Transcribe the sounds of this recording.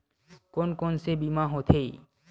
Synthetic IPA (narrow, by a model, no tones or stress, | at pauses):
konkonsebimãɦot̪ʰei